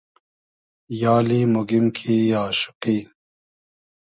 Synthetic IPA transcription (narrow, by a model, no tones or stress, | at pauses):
jaːliːmoɡimkʰiːjaːʃu̥qiː